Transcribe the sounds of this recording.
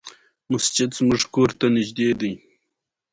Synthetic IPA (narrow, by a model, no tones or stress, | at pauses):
mʊst͡ʃɪd̪zmʊʐkoɾt̪anɪʒd̪ed̪əj